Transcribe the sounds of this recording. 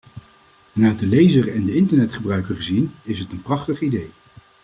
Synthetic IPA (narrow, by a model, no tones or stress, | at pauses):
naːdəlejzərɛndəɪntəɹnɛtχəbrœɥkəɹχəzinɪsɦətənprɑχtəχidej